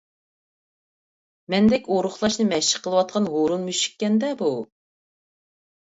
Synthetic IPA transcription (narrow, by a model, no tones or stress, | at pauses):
mɛnd̪ɛkʲoɾʊχlˠɑʃnɨmɛʃə̥qʰːəlˠəwɑt̪̚qʰɑnɦoɾunmyʃi̥kʲːɛnd̪ɛbu